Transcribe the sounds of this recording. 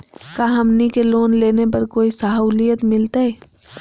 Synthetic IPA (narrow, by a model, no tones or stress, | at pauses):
kaːɦɐmnikeloːnleːnepɐɾkoːisaɦuːlijət̪mɪlt̪aɦɛː